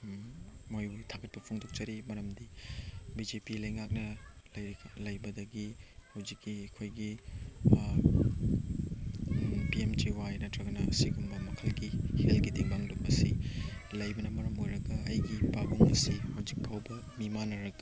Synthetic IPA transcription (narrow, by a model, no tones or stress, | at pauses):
mojutʰaɡʰɐt̚pɐpʰoŋdok̚t͡ʃɐɾimɐɾɐmdibid͡ʒepilɐjŋak̚nɐlɐjlɐjbɐdɐɡihɐwzikːiɐkʰojɡi | piemtiwajnɐtʰɾɐɡɐnɐɐ̰siɡumbɐmɐkʰɐlɡihelɡidiŋbaŋdumɐsḭ | lɐjbɐnɐmɐɾɐmojɾɐɡɐːjɡipaɡuŋɐ̰sihawzik̚pʰawbɐ | mimanɐɾɐɡɐ